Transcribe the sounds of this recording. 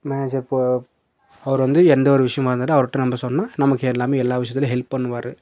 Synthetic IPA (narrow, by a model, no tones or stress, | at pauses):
meːneːd͡ʒɐɾpo | ɐʋɐɾʋɐnd̪ɯɛnd̪ɐɔɾɯʋɪʂɐjɐ̃ʋɐːɾɯnd̪ðɯɐʋɐɾɯʈːɯ̃nɐmbɐsɔnːnaːnɐmɐkːɯɛlːaːmeːɛlːaːʋɪʂɐjɐt̪ːɪlɐ̃ɦɛlppɐɳːɯʋaːɾɯ